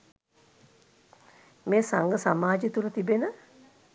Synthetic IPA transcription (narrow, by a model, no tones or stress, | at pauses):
meːsaŋɡəsamaːd͡ʒit̪ulət̪ibenə